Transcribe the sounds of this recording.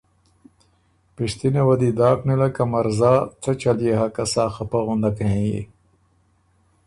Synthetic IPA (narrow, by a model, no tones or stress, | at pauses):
piʂt̪inewɐd̪id̪aːknilɐkɐmɐɾzaːt̪ʰɐt͡ɕɐlijeɦɐkɐsaːxɐpɐɣund̪ɐkẽjḭ